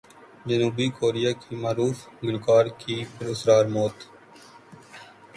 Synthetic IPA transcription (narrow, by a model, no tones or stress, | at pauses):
d͡ʒənuːbiːkoːɾɪjaːkiːmaːɾuːfɡɪnkaːɾkiːpəɾʊsɾaːɾmoːt̪